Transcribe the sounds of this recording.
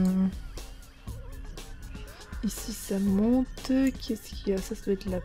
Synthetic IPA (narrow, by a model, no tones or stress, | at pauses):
isisamɔ̃t̪kʲʰɛskʲiasasavɛt̪la